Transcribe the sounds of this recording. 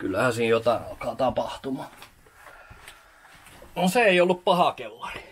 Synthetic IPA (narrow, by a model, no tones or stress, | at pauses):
kylːæhæsiːnjot̪ɑˑeɑlkɑːt̪ɑpɑht̪umɑ | noseeˑiolːuppɑhɑkelːɑri̥